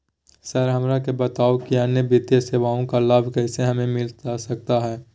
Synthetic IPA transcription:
sɐɾɦɐmɾakebɐt̪aːokiaːnːebɪt̪jəseːʋaːõkalaːbʱkɛːseɦɐmẽmɪlt̪asɐk̚t̪aɦɛː

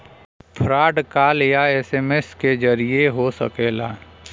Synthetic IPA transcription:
pʰɾaːɖkaːljaɛːseːmesked͡ʒəɾieɦosə̰keːlaː

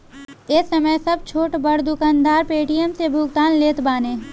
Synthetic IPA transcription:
ɪsɐməjsɐb̚t͡ʃʰoːʈbɐɽd̪ʊkaːnd̪aːɾpeːʈijəmsebʱʊɡt̪aːnleːt̪baːnẽː

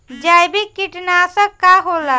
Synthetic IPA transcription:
d͡ʒajbikːiʈnasə̃kaɦola

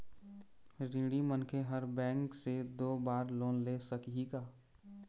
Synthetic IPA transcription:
ɾĩːɽimənkʰeɦəɾbɛ̃ːŋksed̪oːbaːɾloːnleːsəkɦiɡaː

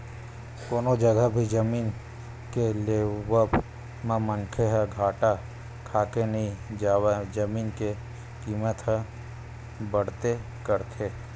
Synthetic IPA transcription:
koːnod͡ʒəɡəbʱid͡ʒəmiːn | keleːwəb | mẽmə̃nkʰeɦɛɡʱaːʈa | kʰaːkenɐɦĩd͡ʒaːwed͡ʒəmiːnke | kiːmət̪ɦɛ̃ | bəɽ̤t̪e | kəɾt̪ʰe

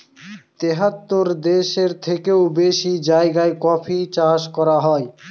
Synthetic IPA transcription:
t̪eɦat̪ːoɾd̪eʃeɾt̪ʰekewbeʃid͡ʑaeɡaekɔpʰit͡ɕaʃkɔɾaɦɔe

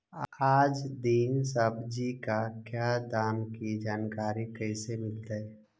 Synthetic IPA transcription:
aːd͡ʒd̪insəbʱd͡ʒikakjaːd̪aːmkid͡ʒaːnkaːɾikəɪsemɪlt̪aɛ

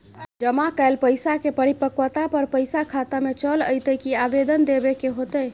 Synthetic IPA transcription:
d͡ʒəmakaɪlpəjsakepəɾipəkwət̪apəɾpəjsakʰat̪amet͡ʃələ̰jt̪əkiabed̪ənd̪ebekeɦot̪ə

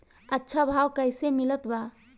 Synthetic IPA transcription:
ətːʃʰabʱawkəɪsemɪlət̪ba

